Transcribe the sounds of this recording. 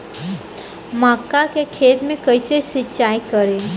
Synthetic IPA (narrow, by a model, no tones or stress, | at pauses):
maːkːakekʰeːt̪mẽkəɪsesɪtːt͡ʃaːjkəɾe